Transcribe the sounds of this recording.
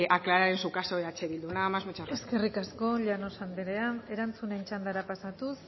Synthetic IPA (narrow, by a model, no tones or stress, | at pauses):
ʔaklaɾaɾensukasoeat͡ʃeβild̪unamazmut͡ʃae̞ske̞rikasko̞ʎano̞sand̪eɾe̞ane̞ɾant͡sune̞nt͡ʃand̪aɾapasat̪us